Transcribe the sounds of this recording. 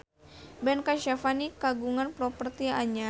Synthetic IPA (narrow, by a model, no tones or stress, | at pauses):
bɛnkaʃafanikaɡuŋanpɾɔpərt̪iaɲa